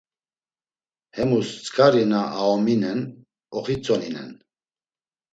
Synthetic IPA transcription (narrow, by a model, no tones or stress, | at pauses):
hɛmust͡sʼkʰʼaɾɛnaʔaɔminɛn | ɔχit͡sʼɔninɛ̰n